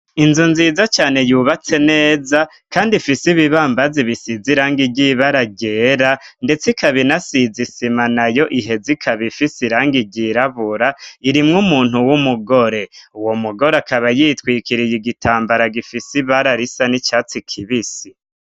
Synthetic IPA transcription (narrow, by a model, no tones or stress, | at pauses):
inzunziːzat͡ʃaːne̞juːβat͡se̞ne̞ːza | kaːndifisiβiβaːmbaziβisiziɾaːŋɡiɟiβaɾaɡɟe̞ːɾande̞t͡sikʰaβinasizisimanajo̞ʔiɦe̞zikʰaβifisiɾaːŋɡiɾɟiɾaβuɾaiɾimŋumuːn̥huwumuɡo̞ɾe̞uwo̞muɡo̞ɾakaβajiːtwiːkiɾijiɡitʰaːmbaɾaɡifisiβaɾaɾisanit͡ʃaːt͡sikʰiβisi